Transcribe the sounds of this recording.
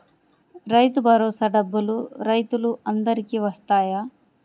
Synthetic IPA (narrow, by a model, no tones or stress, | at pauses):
ɾɐjt̪ubʱɐɾoːsɐɖɐbːɐluɾɐjt̪uluɐnd̪ɐɾikiʋɐst̪aːja